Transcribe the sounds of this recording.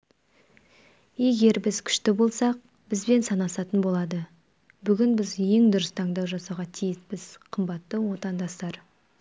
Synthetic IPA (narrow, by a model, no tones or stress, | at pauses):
e̞ɡʲe̞ɾbɪzkʲʰʏ̥ʃt̪ɪbo̞lˠsɑq̚ | b̥ɪzbe̞nsɑnɑsɑt̪ənbo̞lˠɑd̪ə | bʏɡʲɪnbɪzje̞ŋd̪ʊɾəst̪ʰɑɴd̪ɑwʒɑsɑʁɑt̪ʰijɪspɪz̥qʰəmbɑt̪ːəwo̞t̪ɑnd̪ɑst̪ɑɾ